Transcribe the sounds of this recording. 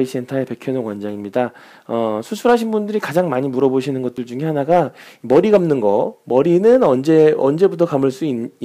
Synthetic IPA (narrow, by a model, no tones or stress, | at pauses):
ik̚s͈e̞ntʰaepekʰjʌnoŋwand͡ʑaŋimɲida | ʌsʰusʰuɾɦaɕʰinbundɯɾikad͡ʑaŋmaɲimuɾʌboɕʰinɯnɡʌt̚t͈ɯɭd͡ʑuŋɦe̞hanaɡaimʌɾiɡamnɯnɡʌmʌɾinɯnʌnd͡ʑe̞ʌnd͡ʑe̞butʰʌkamɯɭs͈uinː